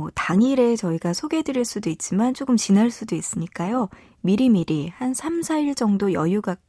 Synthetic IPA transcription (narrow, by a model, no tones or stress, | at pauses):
taŋiɾe̞t͡ɕʌiɡasʰoɡe̞dɯɾiɭs͈udoit̚t͡ɕ͈imant͡ɕ͈ok͈ɯmt͡ɕinaɭs͈udois͈ɯɲik͈ajo | miɾimiɾihansʰamsʰaiɭd͡ʑʌŋdojʌjuɡa